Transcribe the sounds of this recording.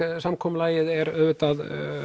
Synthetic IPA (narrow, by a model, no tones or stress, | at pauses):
samkʰɔːmlaːjɪðɛɾœːvʏt̪að